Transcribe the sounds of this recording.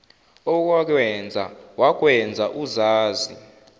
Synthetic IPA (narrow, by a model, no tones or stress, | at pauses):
ɔk̬wak̬wɛnd͡zʱa̰wak̬wɛnd͡zʱaʔuzaːzi